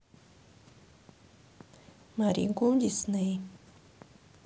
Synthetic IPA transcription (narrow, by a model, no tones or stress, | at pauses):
maɾḭŋkumʎisnɨj